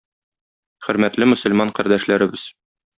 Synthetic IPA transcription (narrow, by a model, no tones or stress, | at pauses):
χɵ̆ɾmæt̪lɘmɵ̆sɵ̆lmɑɴqæɾd̪æʃlæɾɘ̆bɘz̥